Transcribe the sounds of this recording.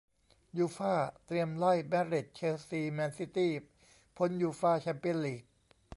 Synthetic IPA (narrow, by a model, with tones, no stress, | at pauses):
juː˧faː˥˩t̪ɾi˧əmla˥˩jmɛ˦˥ɾi˨˩t̪̚t͡ɕʰeː˧siː˧mɛː˧nsi˧˦˥t̪iː˥˩ | pʰo˦˥njuː˧faː˥˩t͡ɕʰɛ˧˥mpi˧˥˨liː˨˩k̚